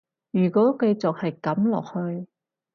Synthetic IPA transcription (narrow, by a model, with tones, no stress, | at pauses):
jyː˨˩kɔː˨˥kɐ˧jt͡sʊ˨k̚hɐ˨jkɐ˨˥mlɔ̰ː˨k̚hɵ˧ɥ